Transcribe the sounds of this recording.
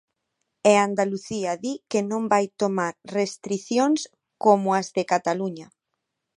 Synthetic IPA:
eand̪aluθiaðikenõmbajt̪omaɾrest̪ɾiθjoŋs | komoazðekat̪aluɲa

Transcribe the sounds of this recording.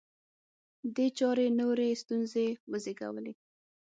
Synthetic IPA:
d̪et͡ʃɑɾenoɾest̪unzewəzeɡa̰wə̰le

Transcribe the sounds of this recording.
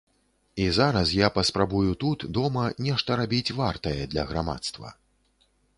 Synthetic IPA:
izaɾɐsjapɐspɾabujut̪ut̪d̪ɔmɐnʲɛʂt̪ɐɾabʲit͡sʲvart̪ɐjɛd̪lʲɐɣɾama̰t̪st̪vɐ̰

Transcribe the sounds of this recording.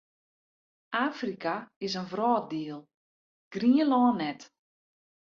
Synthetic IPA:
ʔaːfrikaɪs̬ənvrɔːt̚diəlˠ | ɡ̥riəlɔːnːɛt

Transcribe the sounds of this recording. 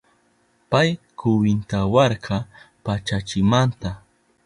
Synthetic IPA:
pajkʊwɪnt̪awɑɾkʰɑ | pat͡ʃat͡ʃɪmant̪a

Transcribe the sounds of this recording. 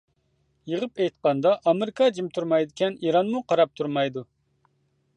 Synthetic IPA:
jəʁəpɛjt̪̚qɑnd̪ɑʔːmɪɾɪkʰɑd͡ʒimt̪ʰuɾmɑjd̪ɪkʲɛniɾɑnmuqʰɑɾɑp̚t̪ʰuɾmɑjd̪u

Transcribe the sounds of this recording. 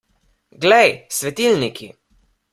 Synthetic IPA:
ɡlɛjsʋɛt̪ilnikʰḭ

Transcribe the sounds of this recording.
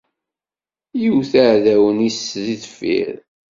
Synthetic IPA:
jiwθəʕðæwənisðiðfḭɾ

